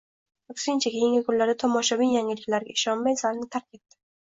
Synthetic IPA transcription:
ʊksɪnt͡ʃʰakʲʰejɪŋɡʲɪkʲʰʊnlːaɾd̪at̪ʰɒmɒʃawijaŋɡʲɪlɪkʲlaɾɡʲaɪʃɒnmajsalnɪt̪ʰaɾkʲʰet̪d̪ɪ̥

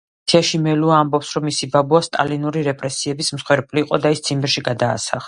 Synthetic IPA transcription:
sʰiaʃimɛluaːmbɔpsɾɔmːisibabuast̪ʼa̰linuɾiɾɛpʼɾɛsiɛbismsχwɛɾpʼliqʼɔd̪aist̪sʰimbɛɾʃiɡad̪a̰ːsa̰χ

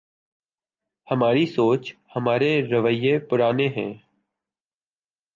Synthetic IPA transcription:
həmaːɾisoːt͡ʃhəmaːɾeːɾəʋəɪjeːpʊɾaːneːɦɛ̰̃ː

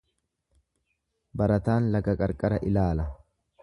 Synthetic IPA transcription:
bɐɾɐt̪aːnlɐkɐkʼɐɾkʼɐɾɐʔɪlaːlɐ

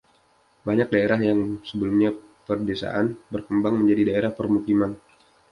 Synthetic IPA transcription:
baɲak̚daeɾaɦjaŋsəbəlumɲa | pərdesa̰ʔanbərkəmbaŋməɲd͡ʒadidaeɾahpərmukiman

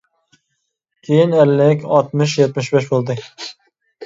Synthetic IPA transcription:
kʲʰejinælːɪkʲɑlˠt̪mɨʃ̬jɛt̪mɪʃbeʃ̬bolˠd̪ɨ

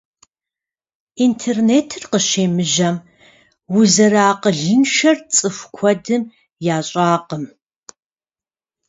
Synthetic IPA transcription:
intʰerneːtʰɨrqəʃeːmɨʒɐm | wʊzɐɾaːqəɮɨnʃɐrt͡sʼɨfkʷʰɔdɨm | jaːɕʼaːqəm

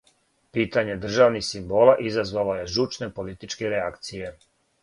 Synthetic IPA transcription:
piːt̪aɲe̞d̪r̩ʒaʋnixsimbo̞ːlˠaʔizazʋalo̞je̞ʒut͡ʃne̞po̞lit̪it͡ʃkeɾeakt̪sije̞

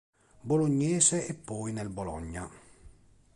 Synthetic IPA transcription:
boloɲːɛːseːpːɔːjnɛlbolɔ̰ɲːa̰

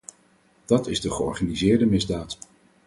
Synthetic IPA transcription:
d̥ɑtɪzdəχəɔ̰ɹχanizɪːɹdəmɪzdaːt

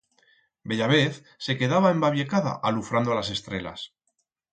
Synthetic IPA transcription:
be̞ʎaβe̞θ | se̞ke̞ðaβae̞mbaβje̞kaða̰ʔalufɾand̪oalas̬e̞st̪ɾe̞la̰s

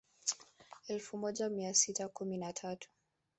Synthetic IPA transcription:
ɛlfumɔʄamiasitakuminatʰatu̥

